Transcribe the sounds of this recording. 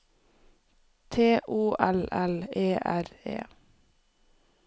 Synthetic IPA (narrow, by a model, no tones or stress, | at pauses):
t̪ʰeːʔuːʔɛlɛleːʔæɾḛː